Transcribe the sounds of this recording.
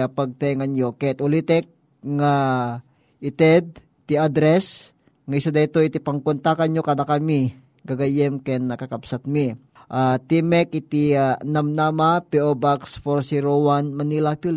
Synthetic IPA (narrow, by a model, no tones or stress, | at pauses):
apɐɡ̚t̪ɛŋanjokɛt̪ʔʊlit̪ɛk̚ | ŋa | ʔɪt̪ɛd̪̚ | t̪iad̪ɾɛs | ŋaɪsad̪ait̪oit̪ipɐŋkʊnt̪akaɲɲokad̪akɐmi | ɡaɡajɛmkɛnːɐkakapsat̪̚mi | ʔat̪imɛkɪt̪inamnamapɛʔobaksfoɾsiɾowanmɐnilapil